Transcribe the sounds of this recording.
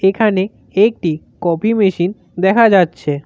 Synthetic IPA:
ekʰane | ek̚ʈi | kɔpimeʃin | d̪ɛkʰad͡ʑatːɕʰe

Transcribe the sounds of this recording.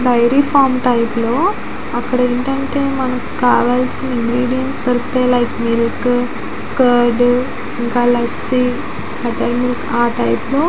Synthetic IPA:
ɖɐjɾiːfʰaːɾmʈɐjploː | ɐkːɐɽɐeɳʈɐɳʈeːmɐnɐmkkaːʋaːlsiniŋɡɾiːɽijɐnst̪ɐɾkt̪eːlɐjkmiɾɐk | kɐɾɖ | iŋkaːlɐsi | ɐʈɐjmilɐkaːʈɐjploː

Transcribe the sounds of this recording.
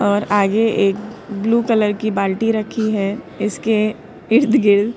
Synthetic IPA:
ɔːɾaːɡeʔeːkbluːkɐləɾkibaːlʈiɾɐkʰiɦɛː | ɪske | ɪɾt̪ɡɪɾd̪

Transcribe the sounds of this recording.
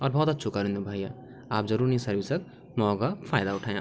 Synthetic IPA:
ɔɾbʱʌɦut̪ət̪ːt͡ʃʰukaɾĩnd̪ubʱaja | apd͡ʒəɾuɾnisəɾbisək̚ | mɔɡapʰajd̪aʊʈʰaj̰̃

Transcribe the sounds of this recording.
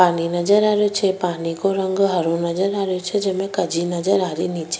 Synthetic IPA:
paninəd͡ʒəɾaɾjot͡ʃʰepanikoɾəŋɡɦəɾonəd͡ʒəɾaɾjot͡ʃʰed͡ʒemẽkəd͡ʒʱinəd͡ʒəɾaɾinit͡ʃe̥

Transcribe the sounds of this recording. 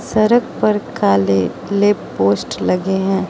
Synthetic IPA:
sɐɾək̚pɐɾkaːle | leːpoːsʈlɐɡeɦɛ̃ː

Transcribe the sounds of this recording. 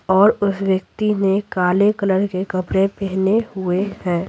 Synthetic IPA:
ɔːɾʊswjək̚t̪inekaːlekələɾkekɐpɾepɛɦnehʊehɛ̃ː

